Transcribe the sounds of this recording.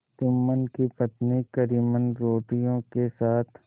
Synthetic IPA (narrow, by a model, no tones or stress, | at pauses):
t̪ʊmːənkipɐt̪nikəɾiːmənɾoːʈijõkesaːt̪ʰ